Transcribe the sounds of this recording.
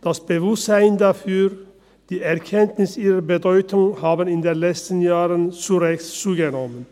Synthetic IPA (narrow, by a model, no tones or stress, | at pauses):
d̥asb̥əvʊstz̥aɪndafyːʁ | d̥iːɛɐkʰɛntnɪsʔiːʁɐbədɔʏtʊŋhaːbənɪndeːnlɛt͡stn̩jaːʁənt͡suʁɛçt͡suːɡənɔmən